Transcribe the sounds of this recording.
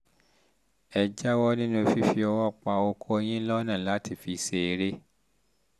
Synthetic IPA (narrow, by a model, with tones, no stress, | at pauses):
ɛ˧d͡ʒa˦wɔ˦nĩ˦nũ˦fi˦fi˧ɔ˧wɔ˦˨k͡pa˧o˧kʰo˦e˧j̃ĩ˦lɔ˦nã˦˨la˨˦ti˦˨fi˧˦se˧e˧ɾe˦